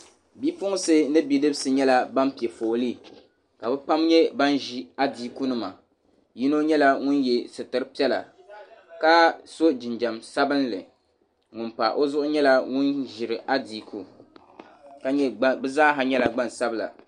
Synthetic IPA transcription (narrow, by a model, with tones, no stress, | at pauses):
bi˦pʊ˦ŋ˦sɨ˦nɨ˦bi˦dɨ˦bsɨ˨ɲɛ˦la˦ba˦mpi˨ɛ˨foː˨li˦ | ka˨bɛ˦pa˦mɲɛ˦ba˦nʒi˦a˦diː˦ku˦nɨ˦ma˨ | ji˦no˦ɲɛ˦la˦ŋʊ˦njɛ˨sɨ˨tɨ˦ɾɨ˦pi˦ɛ˦la̰˨ | ka˦so˦d͡ʒɪ˨nd͡ʒa˨msa˦bɨ˦nlɨ˨ | ŋʊ˨npa̰˨ʔo˦zʊ˦ʔʊ˦ɲɛ˦la˦ŋʊ˦nʒɪ˨ɾɨ˨ʔa˦di˨kʰu˨ | ka˦ɲɛ˦bɛ˦zaː˦ɦa˨ɲɛ˦la˨ɡ͡ba˦nsa˦bɨ˦˨la̰˨